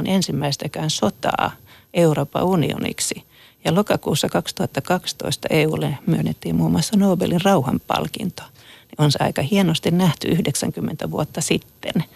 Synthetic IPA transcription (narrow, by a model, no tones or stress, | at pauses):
nʔensimːæist̪ækæːnsot̪ɑ̰ː | ʔeuroːpɑ̰unḭo̰nḭksi | jɑlokɑkuːsːɑkɑkst̪uhɑt̪ːɑkɑkst̪o̰ist̪ɑ̰ʔeːuːlːemyønːet̪ːiːmmuːmuɑsːɑnoːbḛlinrɑuhɑmpɑ̰lkḭnt̪o̥ | nionseɑ̰ikɑhienost̪innæht̪yʔyhdeksæŋkymːent̪æʋuot̪ːɑsit̪ːḛn